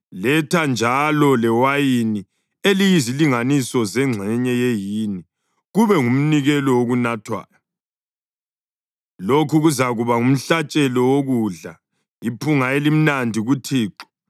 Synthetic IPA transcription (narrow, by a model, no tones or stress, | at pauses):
lɛtʰand͡ʒʱalɔlɛwajini | elijiziliŋanisɔzɛŋ͡ǀʱɛɲɛjejini | ɣuβɛŋum̩niɣɛlɔwoɣunatʰwa̰ːjɔ | lokʰuɣuzaɣuβaŋum̩ɬat͡ʃʼɛlɔwoɣuɮa | ipʰuŋaelim̩nandʱiɣutʰiːǁɔ̥